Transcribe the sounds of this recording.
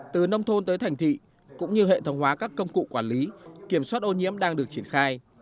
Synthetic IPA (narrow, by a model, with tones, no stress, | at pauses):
t̪ɨ˨˩nə˧wŋ͡mt̪ʰo˧nt̪əː˨˦jt̪ʰa˨˩jŋ̟t̪ʰḭ˧˨ | kʊ̰˧˥ŋ͡mɲɨ˧ɦḛ˧˨t̪ʰə˨˦wŋ͡mɦwaː˨˦kaː˦˥kːə˧wŋ͡mkṵ˧˨kwaː˧˩nli˨˦ki˧˩əmswaː˦˥t̚ʔo˧ɲḭ˧˥əmɗaː˧ŋɗɨ˨˩ək̚t͡ɕi˧˩ənxaː˧j